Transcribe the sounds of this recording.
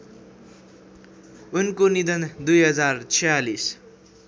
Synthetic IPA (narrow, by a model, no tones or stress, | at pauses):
unkonid̪ʌnd̪ujɦʌd͡zart͡sʰʌjalis